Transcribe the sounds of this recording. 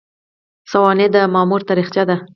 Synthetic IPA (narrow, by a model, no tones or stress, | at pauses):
sawɑned̪əmɑmuɾt̪aɾiχt͡ʃad̪a